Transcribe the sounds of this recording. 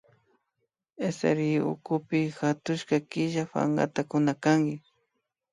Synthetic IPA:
esḛɾiʊ̰kʊpɪxat̪ʊʃkakɪʒafa̰ŋɡa̰t̪akʊnakaŋɡɪ

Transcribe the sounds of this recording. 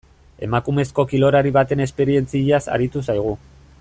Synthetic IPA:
e̞̰makume̞sko̞kilo̞ɾaɾiβat̪e̞ne̞spe̞ɾie̞nt͡siʎasa̰ɾit̪usajɣ̞u

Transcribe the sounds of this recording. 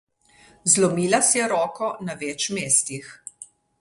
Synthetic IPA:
zlɔmiːlasjɛɾɔːkɔnaʋɛːt͡ʃmeːst̪ix

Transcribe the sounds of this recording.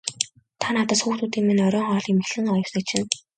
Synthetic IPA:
t̪ʰanaːt̪ə̆sxuːxt̪uːt̪iːŋmenœɾʲɔːŋχɔːɮem̆xɮɘ̆ŋɔjɞ̆wsə̆k̚t͡ɕʰɪ̆n

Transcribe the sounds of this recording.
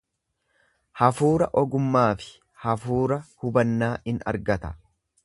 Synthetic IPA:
hɐfuːɾɐʔɔɡʊmːaːfɪ̥ | hɐfuːɾɐhʊbɐnːaːɪnɐ̰ɾɡɐt̪ɐ̥

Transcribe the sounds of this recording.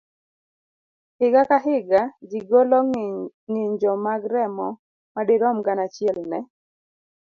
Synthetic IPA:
hɪɡakaɦɪɡad͡ʒiɡolɔ | ŋɪɲd͡ʒɔmaɡɾɛmɔ | madeɾɔmɡanat͡ʃɪɛlnɛ

